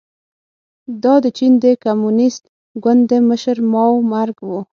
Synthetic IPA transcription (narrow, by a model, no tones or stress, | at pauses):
d̪ɑd̪ət͡ʃind̪əkamunɪst̪̚ | ɡwʊnd̪d̪ːəməʃəɾmɑwmaɾɡwu